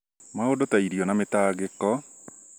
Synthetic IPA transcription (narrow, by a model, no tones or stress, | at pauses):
maodotaiɾiɔnametaːɡɪkɔ